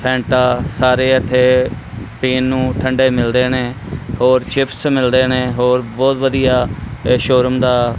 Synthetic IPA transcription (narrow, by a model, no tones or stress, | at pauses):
pʰɛ̃ːɳʈaːsaːɾeːət̪ʰːeː | piːnːũːʈʰəɳɖeːmɪld̪eːneː | hoːɾt͡ʃɪpʰsmɪld̪eːneːɦoːɾbɔːt̪ʋəd̪ijaːʃoːɾəmd̪aː